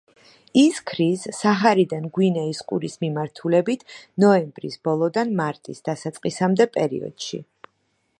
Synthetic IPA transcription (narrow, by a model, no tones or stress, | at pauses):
iskʰɾizːaχaɾid̪anɡwinɛisqʼṵɾismimaɾt̪ʰulɛbit̪ʰnɔɛmbɾisb̥ɔlˠɔd̪anmaɾt̪ʼisd̪̥asat̪sʼqʼisamd̪ɛpʼɛɾḭɔ̰d̪̥ʃḭ